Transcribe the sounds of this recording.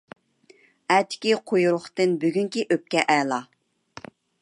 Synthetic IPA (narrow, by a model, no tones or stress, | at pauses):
ɛt̪ʰɪ̥kʲiqʰojuɾʊχt̪ɨnbyɡʲyŋkʲiʔøp̚kʲɛʔɛːlˠɑ